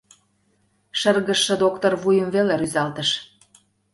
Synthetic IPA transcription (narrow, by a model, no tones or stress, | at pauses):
ʃə̆rɣə̆ʃːə̆d̪okt̪orβujəmveleɾyzɑlt̪ə̆ʃ